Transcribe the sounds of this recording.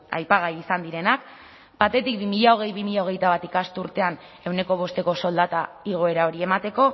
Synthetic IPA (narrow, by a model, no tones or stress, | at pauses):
a̰jpaɣ̞ajisand̪iɾe̞nak | bat̪e̞t̪ik̚bimiʎao̞ɣ̞e̞jβimiʎao̞ɣ̞e̞jt̪aβat̪ikast̪uɾt̪e̞an | e̞wne̞ko̞β̞o̞st̪e̞ko̞so̞ld̪at̪a | iɣ̞o̞e̞ɾao̞ɾie̞mat̪e̞ko̞